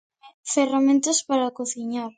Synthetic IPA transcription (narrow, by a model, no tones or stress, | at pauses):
feramẽnt̪ʊspaɾakoθiɲaɾ